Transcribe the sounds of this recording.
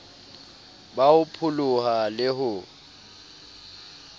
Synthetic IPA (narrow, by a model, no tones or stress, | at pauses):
baʊpʰʊlʊhalɪɦʊ